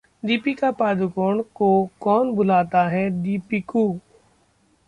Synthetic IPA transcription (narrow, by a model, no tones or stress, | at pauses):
d̪iːpiːkaːpaːd̪ʊkoːɳkoːkɔːnbʊlaːt̪aːɦɛːd̪iːpiːkoː